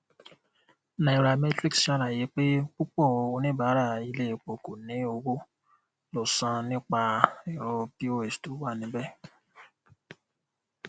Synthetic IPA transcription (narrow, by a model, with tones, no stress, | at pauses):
nã˨i˨ɾa˨me˦tɾi˦ksʃa˦ɾa˨je˨˦k͡pe˦k͡pu˦k͡pɔ˦˨o˧nĩ˦ba˨˦ɾa˦˨i˧le˦˨k͡po˨ko˨nĩ˨˦o˧wo˦ | lo˨sã˧nĩ˦k͡pa˧i˨ɾo˧pi˦o˦e˨stu˨˦wa˦˨nĩ˨˦bɛ˦˨